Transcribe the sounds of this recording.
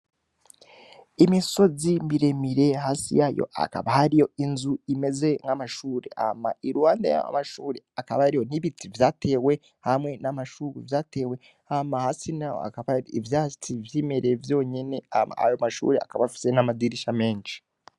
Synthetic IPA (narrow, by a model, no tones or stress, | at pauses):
imiso̞zimbiɾe̞miɾe̞ɦaːsḭjajo̰ʔa̰ka̰βahaɾijo̞inzuime̞ze̞ŋamaʃuːɾe̞̰a̰ma̰iɾuwaːnda̰ja̰a̰maʃuːɾeakaβaaɾijo̞niβitivjaːtʰe̞ːwe̞ | hamŋe̞namaʃuːɾḭvjaːte̞ːwe̞ | hamahasinao̰a̰kaβaivjat͡sivjiːmeɾevjo̞ɲene̞aa̰a̰jomaʃṵːɾea̰kaβafi̥se̞namadiɾiʃame̞ːnʃi̥